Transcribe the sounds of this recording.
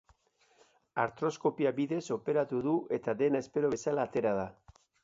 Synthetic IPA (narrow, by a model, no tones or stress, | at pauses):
aɾt̪ɾo̞sko̞piabiðe̞so̞pe̞ɾat̪uðuʔe̞t̪aðe̞nae̞spe̞ɾo̞βe̞salaːt̪e̞ɾað̞a